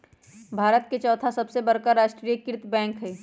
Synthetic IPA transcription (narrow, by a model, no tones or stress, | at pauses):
bʱaːɾət̪̚ket͡ʃɔːt̪ʰasɐbsebɐɾkaɾaːʃʈɾijəkɪɾɪt̪bɛ̃ːŋkɦɛː